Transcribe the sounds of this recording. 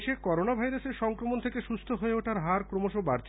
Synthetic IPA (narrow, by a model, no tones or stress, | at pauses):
ʃekɔɾonabʱajɾaseɾʃɔŋkɾomont̪ʰekeʃust̪ʰoɦoeoʈaɾɦaɾkɾomoʃobaɾt͡ɕʰ